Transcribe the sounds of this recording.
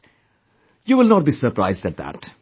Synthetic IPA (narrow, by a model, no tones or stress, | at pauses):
juwɪlnɔʈ̚biːsəɾpɾaɪzdæʈ̚d̪æ̰ʈ